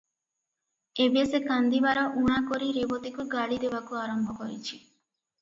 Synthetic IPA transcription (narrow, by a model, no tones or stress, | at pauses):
ebesekand̪ibaɾɔʔuɽ̃akɔɾiɾebɔt̪ikuɡaɭid̪ebakuaɾɔmbʱɔkɔɾḭt͡ʃʰi̥